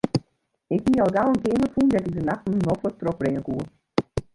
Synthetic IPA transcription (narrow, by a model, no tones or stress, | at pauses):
ɪkhiɔlˠɡalˠənkeːməfundɛtɪk̚dənaxtn̩nɔxɔtrɔk̚brɪŋəkuːə